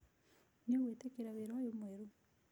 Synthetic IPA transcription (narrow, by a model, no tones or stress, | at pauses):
ɲoɣwetekeɾaβeɾajomweɾu